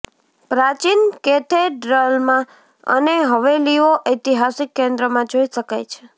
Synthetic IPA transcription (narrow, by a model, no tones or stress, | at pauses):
pɾat͡ʃinket̪ʰeɖɾəlmã | ə̰neɦəʋeliʋoʔəjt̪iɦasikːẽnd̪ɾəmãd͡ʒoiʃəkajt͡ʃʰe̥